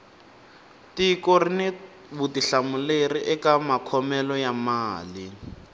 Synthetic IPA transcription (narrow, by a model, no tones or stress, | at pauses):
tikɔrine | butiɬamuleriʔɛkamakʰɔmɛlɔjamaːli